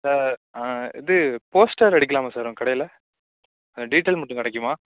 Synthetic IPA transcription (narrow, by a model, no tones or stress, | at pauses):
saːɾaːɪ̰ðɯpoːsʈɐɾɐɽɪkːɐlaːmɐsaːɾʊ̃kɐɽɐjɪlɐ | ɐɖiːʈːeːlmɐʈːɯ̃kɐɽɛk̬ːɯmaː